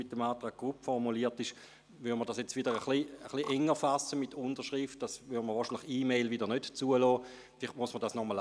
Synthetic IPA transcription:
ɪt̚ːəmaːtʁaːɡ̚ɡ̥ʁupfɔʁmuliːətɪʃ | ʋyʁdmədasjɛt͡sʋidəʁəχliəχliʔɛŋːəfasəmitʰʊnd̥əʃʁift̚d̥asʋydəməʁʋɔːʃinlɪχiːmeɪlʋidəʁnøtt͡suəlɔː | fliχtmuəsmədaːsnɔməl

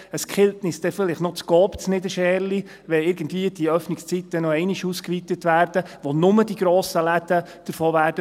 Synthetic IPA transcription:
əskχɪltnɪsd̥ɛfɪlɪχtnɔt͡sɡɔːpt͡snɪdəʃɛːɾli | ʋɛɪɾɡ̥ən̩dviəd̥iəœfnɪkst͡sitːənɔɛɪnɪʃuskʋit̪ətʋæːɾd̥əʋonʊmədiɡɾoːsəlæd̥ə | d̥əɾfɔːʋæːɾdə

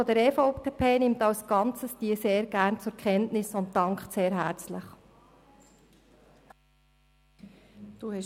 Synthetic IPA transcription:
ɔd̪əɾɛfoʊppʰeːnɪmtɑwsɡ̥ɑnt͡səsd̥iəseːɾɡæːrnt͡sʊɾkʰχɛntnɪsʊntːɑŋkχtseːɾɦæɾt͡sləχ | d̪̥uɛ

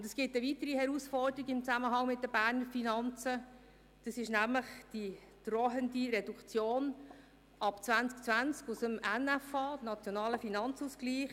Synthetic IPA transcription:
ʊnd̥ɛsɡ̥ɪtəvitəɾihɛɾusfɔrdəɾiɡəɪmt͡sæməɦɑŋmɪt̚d̥̪əbæːɾnəɾfinɑnt͡sə | d̥ɑsɪʃnæmləχd̥i | d̥roɦəndiɾɛdukt͡sjoːn | ʔɑpt͡svænt͡sk̚t͡svænt͡skusəmɛnæfɑːnɑt͡sjɔnɑːləfinɑnt͡susɡ̥liːχ

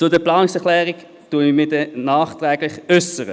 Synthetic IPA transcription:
t͡sʊdəplɑːnɪŋsɛʁχlɛːʁɪɡ | tuəɪmɪːdɛnaːχtʁɛːɡlɪχœsəʁə

